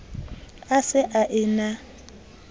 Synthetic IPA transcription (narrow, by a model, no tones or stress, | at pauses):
asɪʔaʔɪna